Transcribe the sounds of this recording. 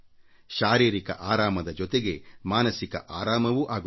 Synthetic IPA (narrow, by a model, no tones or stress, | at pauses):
ʃaːɾiːɾikɐ̰ʔaːɾaːmɐd̪ɐd͡ʒɔt̪eɡe̞maːnɐsikɐ̰ʔaːɾaːmɐʋuʔaːɡu